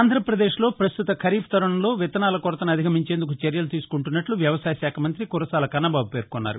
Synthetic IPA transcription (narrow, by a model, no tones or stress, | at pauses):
aːnd̪ʱɾɐpɾɐd̪eːʂlo̞ːpɾɐst̪ut̪ɐkʰɐɾiːpʰt̪ɐɾɐɳɐmlo̞ːʋit̪ɐnaːlɐkɔɾɐt̪ɐnɐd̪ʱikʰɐmiɲt͡ʃe̞ːnd̪ukut͡ʃɐɾjɐlut̪iːsu̥kuɳʈunːɐʈluʋjɐʋɐsaːjɐsaːkʰɐmɐnt̪ɾikuɾɐsaːlɐkɐnːɐbaːbupe̞ːɾkɔnːa̰ːɾṵ